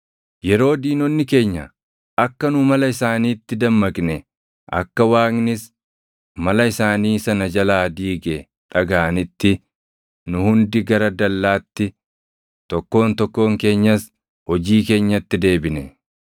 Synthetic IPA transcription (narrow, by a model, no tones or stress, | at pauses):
jɛɾo̞ːd̪iːnɔnːɪke̞ːɲːɐ̰ | ɐkːɐnʊmɐlɐɪsaːniːt̪ːɪd̪ɐmːɐkʼnɛ | ʔɐ̰kːɐwaːknɪs | mɐlɐɪsaːniːsɐnɐd͡ʒɐlaːd̪iːɡɛ | ᶑ̪ʼɐɡaːnɪt̪ːɪ | nʊhʊnd̪ɪɡɐɾɐd̪ɐlːaːt̪ːɪ | t̪ɔkːo̞ːnt̪ɔkːo̞ːŋke̞ːɲːɐs | hɔd͡ʒiːk̬e̞ːɲːɐt̪ːɪd̪e̞ːbɪnɛ